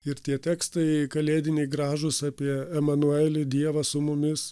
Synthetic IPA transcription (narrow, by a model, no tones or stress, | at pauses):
ɪɾt̪ʲiɛt̪ʲɛːkst̪ɐɪkɐlʲeːd̪ʲɪnʲɛɪɡɾɑːʒʊsɑːpʲiɛɛmɐnuælʲɪd̪ʲiɛʋɐsʊmʊmʲɪs